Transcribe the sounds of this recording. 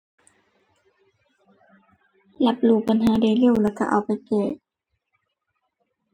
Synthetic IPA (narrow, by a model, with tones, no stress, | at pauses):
la˧˦p̚luː˧˩pa˨nɦaː˨˦daː˧˩jli˧˩˨wlaː˧˩ka̰˧ʔa̰˨˩wpa˧˨jkɛː˧˩